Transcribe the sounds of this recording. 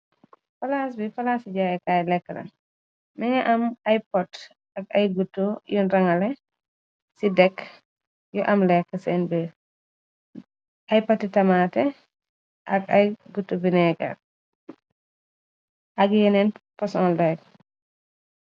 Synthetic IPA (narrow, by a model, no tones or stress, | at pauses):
fɐlaːs̬bifɐlaːsiɟaɛkaːjlɛkːəlɐ̰n | nɛŋɐʔɐmajpɔd | ɐk̚ɐjɡutːujunɾɐŋɐlɛ | sidɛkː | juʔɐmlɛkːəsɛnbiɾ | ajpɔtːitɐmaːtɛ | ʔɐkɐjɡutːubinɛɡa̰ | ʔɐɡjɛnɛnpɐsɔːnlɛk